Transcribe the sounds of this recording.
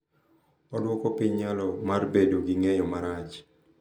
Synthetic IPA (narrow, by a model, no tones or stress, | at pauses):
ɔdwɔkɔpɪɲɲalɔmarbedoɡiŋejɔmaɾat͡ʃ